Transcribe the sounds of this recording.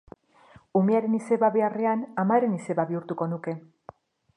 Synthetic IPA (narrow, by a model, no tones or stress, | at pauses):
umeaɾe̞nise̞βaβe̞are̞anamaeɾe̞nise̞βaβiuɾt̪uko̞nuke̞